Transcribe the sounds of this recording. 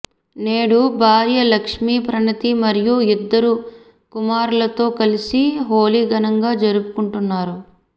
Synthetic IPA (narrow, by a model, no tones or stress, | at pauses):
neːɽubʱaːɾjɐlɐkʂmiːpɾɐnɐt̪imɐɾijuid̪ːɐɾu | kumaːɾulɐt̪o̞ːkɐlisiɦoːliːɡɐnɐŋɡaːd͡ʒɐɾupukuɳʈunːaːɾu